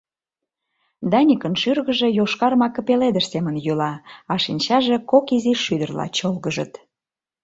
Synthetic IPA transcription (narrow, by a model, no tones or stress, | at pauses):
d̪ɑnʲikənʃyrɣəʒe̽joʃkɑrmɑkə̆peled̪əʃsemənjylɑɑʃinʲt͡ɕɑʒe̽kokiziʃːyd̪ərlɑ̰t͡ɕolɣəʒə̰t̪